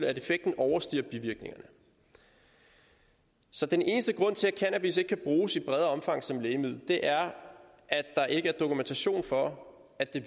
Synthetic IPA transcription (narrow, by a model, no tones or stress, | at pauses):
læɾe̝feɡ̥̚d̥n̩ɒʊɐsd̥ḭɐb̥iʋiɐɡ̥̚ne̝ŋɐnə | sɒ̽d̥enʔe̝ːnəsd̥əɡ̥ʁɔ̽n̰t͡sʰe̝lækʰænæb̥is̬e̝ɡ̥kʰæb̥ʁuːsib̥ʁɛð̞ˠɐɒ̽mfɑ̈ŋ̰sɒ̽mleːɪmið̰ˠd̥e̝ʔæɐ | ʔæ̥ɑ̈ʔe̝ɡ̥əæɐd̥o̝kʰument͡sʰæɕo̝̰ːnfɒ̽ | æd̥e̝